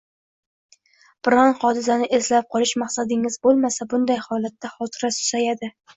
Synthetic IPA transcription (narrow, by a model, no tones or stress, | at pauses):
b̥ɪɾɒnχɒd̪ɪzanɪʔezlap̚qʰɒlˠɪʃmaχsad̪ɪŋɪzbolˠmasabʊnd̪ajhɒlˠat̪ːaχɒt̪ʰɪɾasʊ̥sajad̪ɪ